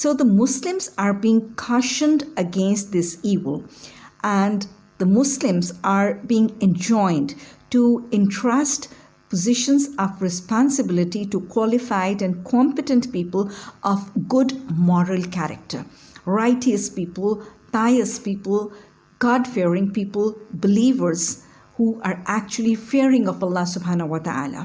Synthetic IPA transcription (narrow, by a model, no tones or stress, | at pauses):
soːd̪əmʊslɪ̃mzaɾbiɪ̃ŋkʰɔʃə̃ndəɡẽnst̚d̪ɪsiːʋəlʔæ̃n | d̪̥əmʊslɪ̃mzaɾbiɪ̃ŋɛ̃nd͡ʒɔ̃ɪ̃ndʈuɪ̃ntʰɹasʈ | pəzɪʃə̃nzɔʋɹɪspɑ̃nsɨbɪlɪʈiʈukʰwɔlɪfaɪdɨ̃nkʰɔ̃mpɨʈə̃ntpiːpəlʔɔfɡʊdmɔɾəlkæɾə̰k̚ʈə̰ɾ | ɹaɪʈiəspiːpəlpaɪəspiːpəl | ɡ̥ɔɖfiɾɪ̃ŋpiːpəlbɪliːʋəɾz̥ | huːʔaɾʔæk̚t͡ʃuəlifiəɾɪ̃ŋɔfɐlːɑsʊbɦãːnəwɔt̪əa̰ːla̰